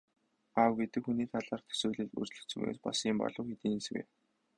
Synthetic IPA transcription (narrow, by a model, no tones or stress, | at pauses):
awɡet̪ɘ̆kxuniːt̪ʰaɮaːrt̪ʰɵ̥sŭːɮɘ̆ɮṵrt͡ɕɮɵ̆kt͡sɵ̆mḛːspasiːmpɔ̰ɮɞ̆wxet̪iːnswḛː